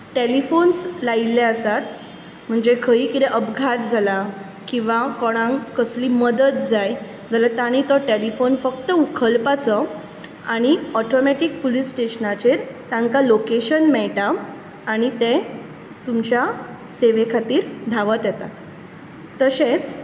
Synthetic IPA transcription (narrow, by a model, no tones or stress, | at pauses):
ʈelifonslaileəsat̪ | m̤əɳd͡zekʰəiːkid̪ɛʔəbɡʱat̪̚d͡zʱala | kĩw̃ʋakɔɽ̃ãŋkəsliːməd̪ət̪̚d͡zaj | d͡zalət̪aɽ̃it̪ɔʈelifonfək̚t̪əukʰəlpat͡sɔ | aɽ̃iɔʈomɛʈik̚polisʈeɕənat͡ɕeɾt̪ãŋkalokeɕənmɛɭʈaː | ɽ̃it̪ẽ | t̪umt͡ɕja | seʋekʰat̪iːɾd̪ʱaʋət̪jɛt̪at̪ː | əset͡s